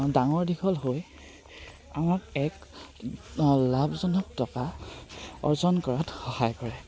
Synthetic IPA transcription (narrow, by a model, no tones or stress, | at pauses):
daŋɔɹdikʰɔlɦoj | amakɛk | labzɔnɔk̚tɔka | ɔ̰ɹzɔnkɔɹatxɔhajkɔɹɛ